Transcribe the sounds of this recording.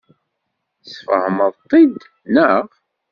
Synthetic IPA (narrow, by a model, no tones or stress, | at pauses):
sfə̰hməðˤt̪ˤːid̪ | nəʁ